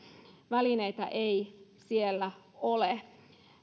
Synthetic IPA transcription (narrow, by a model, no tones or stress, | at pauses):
ʋælineit̪ɑ̰ʔeisielːæ | ole